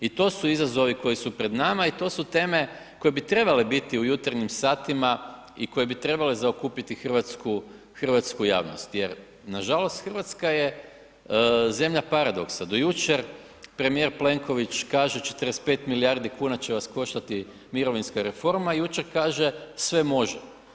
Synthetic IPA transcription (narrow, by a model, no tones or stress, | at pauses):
it̪o̞ːsuizazo̞ʋiko̞jisupɾe̞d̪namait̪o̞sut̪e̞ːme̞ | ko̞jebit̪ɾe̞bale̞bit̪iujut̪aɾɲimsaːt̪ima | iko̞je̞bit̪ɾe̞bale̞zaokupit̪ixərʋat̪sku | xər̩ʋat̪skuja̰ːʋno̰st̪je̞ɾ | naʒalo̞st̪xərʋat̪skaje̞ | ze̞mʎapaɾad̪o̞̰ksad̪o̞jut͡ʃeɾ | pɾe̞mije̞ɾple̞ŋko̞ʋit͡ʃkaːʒet͡ʃe̞̥t̪əɾespe̞ːt̪miliaɾd̪ikuːnat͡ɕe̞ʋasko̞ʃt̪at̪i | miɾo̞ʋinskaɾe̞fo̞ɾmajut͡ʃe̞ɾkaːʒe̞sʋe̞mo̞ʒe